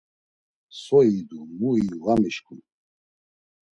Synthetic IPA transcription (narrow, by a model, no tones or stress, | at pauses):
sɔid̪umuiɣamiʃkʰun